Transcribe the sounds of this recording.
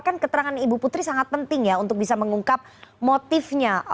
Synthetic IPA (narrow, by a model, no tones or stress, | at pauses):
kankət̪əɾaŋanibuput̪ɾisaŋat̪̚pənt̪ɪŋjaunt̪ʊk̚bisaməŋuŋkap̚mot̪ɪfɲa